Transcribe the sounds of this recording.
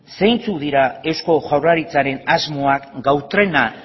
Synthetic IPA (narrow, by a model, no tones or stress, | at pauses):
sejnt͡suðiɾae̞wsko̞ʝawraɾit͡saɾe̞nazmo̞akɡawt̪ɾe̞na